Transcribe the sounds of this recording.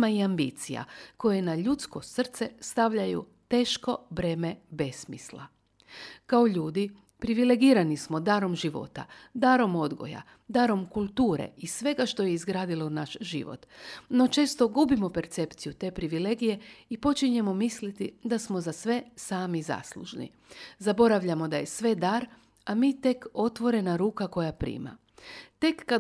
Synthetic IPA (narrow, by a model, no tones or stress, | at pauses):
maiambḭt̪sija̰ko̞je̞naʎut̪sko̞sr̩t̪se̞st̪aʋʎajṵt̪e̞ːʃko̞bɾe̞ːme̞be̞smḭsla̰ | kaoʎuːd̪i | pɾiʋile̞ɡiːɾanismo̞d̪aːɾo̞mʒiʋo̞̰t̪a̰d̪aːɾo̞mo̞d̪ɡo̞̰ja̰ | d̪aɾo̞mkulˠt̪uːɾḛisʋe̞ɡaʃt̪o̞je̞izɡɾaːd̪ilo̞naʃʒḭʋo̰t̪no̞t͡ʃe̞ːst̪o̞ɡubimo̞pe̞ɾt̪se̞pt̪sijut̪e̞ːpɾiʋile̞ɡije̞ipo̞t͡ʃiɲe̞mo̞mislit̪id̪asmo̞zasʋe̞saːmiza̰ːslṵʒnḭ | zabo̞ɾaʋʎamo̞d̪aje̞sʋe̞d̪aɾ | amiːt̪e̞ko̞t̪ʋo̞ɾe̞naɾuːkako̞japɾḭːma̰ | t̪e̞kːa